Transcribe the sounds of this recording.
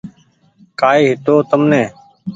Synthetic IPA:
kaːiːɦɪt̪oːt̪əmnẽː

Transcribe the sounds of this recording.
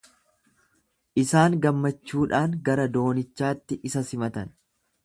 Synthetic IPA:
ʔɪsaːŋɡɐmːɐt͡ʃːuːᶑaːŋɡɐɾɐd̪o̞ːnɪt͡ʃːaːt̪ːɪʔɪsɐsɪmɐt̪ɐn

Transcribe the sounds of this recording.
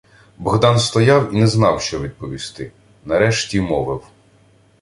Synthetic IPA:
bɔɣd̪ɑnst̪ɔjɑwinɛznɑwʃt͡ʃɔʋʲid̪̚pɔʋʲist̪ɪ | nɐɾɛʃtʲimɔʋɪw

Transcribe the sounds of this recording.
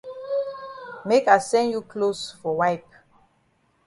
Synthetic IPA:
mekaɪsɛ̃ndjukʰlosfɔwajp

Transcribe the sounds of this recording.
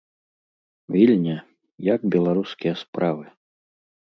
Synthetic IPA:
vʲilʲnʲɐ | jakbʲɛlˠaɾuskʲijɐspɾʔavɨ

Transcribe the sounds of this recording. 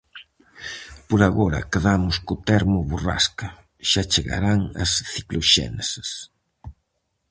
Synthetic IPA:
pʊɾaɣoɾɐ̰keðamʊskʊt̪ɛɾmʊβura̰skɐ | ʃat͡ʃeɣa̰ɾaŋɐ̰sθiklʊʃɛ̰nese̥s

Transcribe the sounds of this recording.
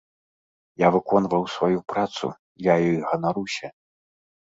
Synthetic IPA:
javɨkɔnvɐwsvajupɾat̪sṵ | jajɔjɣɐnaɾusʲɐ

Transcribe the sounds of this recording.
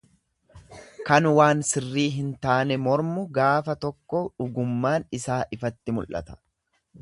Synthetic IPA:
kɐnwaːnsɪrːiːɦɪnt̪aːnɛmɔɾmʊɡaːfɐt̪ɔkːɔᶑʊɡʊmːaːnɪsaːʔɪfɐt̪ːɪmʊlʔɐ̰t̪ɐ̥

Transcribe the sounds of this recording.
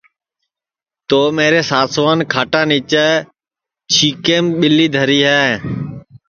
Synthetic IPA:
t̪oːmẽːɾeːsaːsʋaːnkʰaːʈãːniːt͡ʃəː | t͡ʃʰiːkeːmɓɪliːd̪ʱəɾiːɦɛː

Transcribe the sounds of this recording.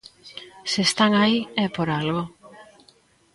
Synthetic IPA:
sest̪aŋaiɛpoɾalɣo

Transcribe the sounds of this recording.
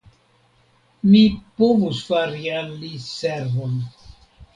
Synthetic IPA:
mipovusfaɾialːiseɾvon

